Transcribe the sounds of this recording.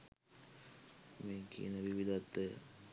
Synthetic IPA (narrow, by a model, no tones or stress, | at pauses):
meːkḭənəʋiʋid̪at̪ːə̰